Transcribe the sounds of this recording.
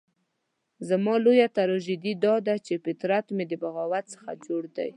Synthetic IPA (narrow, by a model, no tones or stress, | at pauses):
zamɑlojat̪aɾɔʒid̪id̪ɑd̪at͡ʃefɪt̪ɾat̪med̪əbaɣɑwat̪sə̥xa̰d͡ʒoɽd̪a̰j